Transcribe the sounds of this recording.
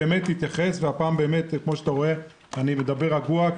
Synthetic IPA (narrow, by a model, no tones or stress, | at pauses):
eːme̞tːit̪jaχe̞sveapaːmbe̞ːme̞t̪kmo̞ʃat̪aʁoe̞ | anime̞d̪abe̞ʁaɡua